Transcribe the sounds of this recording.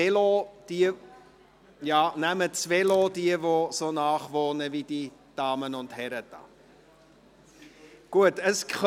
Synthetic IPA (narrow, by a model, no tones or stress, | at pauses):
elod̥iə | jɑːnæmət͡sveːloːdiəvosoːnɑːχvoːnəvidid̥ɑːmənʊnthɛɾətɑ̰ | ɡ̥uətəsk